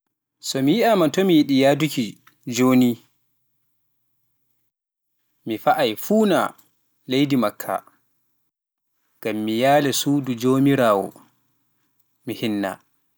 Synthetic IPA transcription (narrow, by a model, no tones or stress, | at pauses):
sɔmijiʔamatɔmijiɗijaːduki | d͡ʒoːni | mifaʔajfuːna̰ | lejdimakʰːa̰ | ŋɡ̥amːijaːlɛsuːdud͡ʒoːmiɾaːwɔ̰ | mihinːa̰